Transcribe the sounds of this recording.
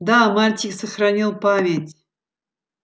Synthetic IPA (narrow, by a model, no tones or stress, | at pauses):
d̪amalʲt̪ʲiksəxɾanʲilˠpamʲet̪ʲ